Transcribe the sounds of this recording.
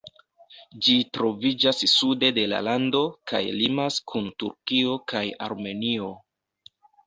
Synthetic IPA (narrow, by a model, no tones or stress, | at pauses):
d͡ʒitɾo̞vid͡ʒasːude̞de̞la̰lando̞ka̰jlimaskʰuntṵɾkio̞kʰaja̰ɾme̞nio̞